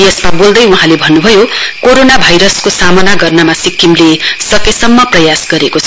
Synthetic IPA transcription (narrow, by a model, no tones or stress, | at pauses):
jʌsmabold̪ʌjuɦãlebʱʌnːubʱʌjokoɾonabʱajɾʌskosamʌnaɡʌrnʌmasikːimlesʌkesʌmːʌprʌjasɡʌɾekot͡sʰʌ